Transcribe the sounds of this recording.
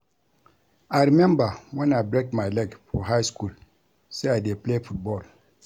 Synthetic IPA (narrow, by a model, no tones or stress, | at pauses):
aɾimɛ̃mbawɛ̃najbɾek̚tmajlɛɡfɔɦajskul | seadeplefut̚bɔl